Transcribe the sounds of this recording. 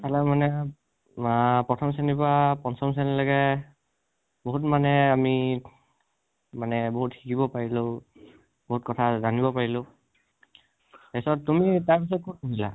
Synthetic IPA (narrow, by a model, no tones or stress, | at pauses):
talamanɛ | pɹɔtʰɔms̬anipapɔnsɔms̬anilɔɡɛ | boɦutmanɛami | manɛboɦutxikibɔpaɹilo | boɦutkɔtʰazanibɔpaɹilõ | esɔtumitaɹpis̬ɔt̚kot̚kuɦila̰